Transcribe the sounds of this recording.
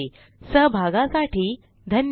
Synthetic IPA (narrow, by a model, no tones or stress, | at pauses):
səɦbʱaɡãsaʈiː | d̪ʱən